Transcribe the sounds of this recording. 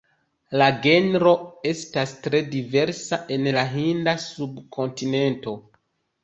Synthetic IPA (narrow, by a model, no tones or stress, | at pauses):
laɡe̞nɾo̞e̞stastɾe̞dive̞ɾsaʔe̞nlaɦindasubkʰo̞ntine̞nto̞